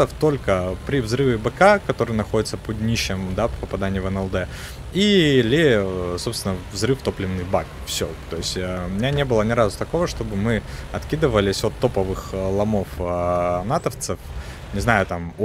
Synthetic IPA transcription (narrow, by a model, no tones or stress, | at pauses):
əft̪o̞lʲkəpɾʲɪvzrɨvʲɪbəkakɐt̪o̞ɾɨjnɐxo̞dʲɪt̪səpod̪nʲiɕːɪmd̪appəpɐd̪anʲɪjvɛnɛlˠd̪ɛ | ilʲɪso̞pst̪ʲɪnəvzɾɨft̪o̞plʲɪvnːɨxbak | fsʲo̰t̪o̞jɪsʲtʲəmʲɪnʲanʲe̞bɨlˠənʲɪɾazʊt̪ɐko̞vəʂt̪o̞bɨmɨɐt̪kʲid̪ɨvəlʲɪsʲo̞t̪ːo̞pəvɨxlˠɐmo̞f | nat̪əft̪sɨf | nʲɪznajʊt̪am